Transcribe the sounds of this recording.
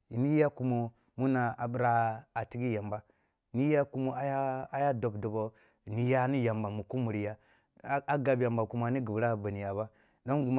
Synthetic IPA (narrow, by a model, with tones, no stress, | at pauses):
i˨ni˦a˦ku˦mo˨ | mu˦na˨a˨bi˦ɾa˦a˨ti˦ɡi˦ja˨mba˨ | ni˦ja˦ku˦mo˦a˦ja˦a˦ja˦do˨bdo˨bo˦˨ | ni˦ja˦ni˦ja˨mba˨mu˨ku˦mu˨ɾi˨ja˦ | a˦ɡa˨bja˨mba˨ku˦ma˨ni˦ɡi˨bɾa˦˨ba˨ni˨ja˨ba˦ | do˦ɡu˨m˦